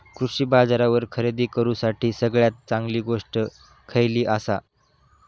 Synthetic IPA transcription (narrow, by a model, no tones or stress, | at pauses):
kɾuʂiːbad͡zaɾaʋəɾkʰəɾed̪iːkəɾũːsaʈʰiːsəɡɭjat̪̚t͡saŋɡliːɡoʂʈə | kʰəjliːʔəsa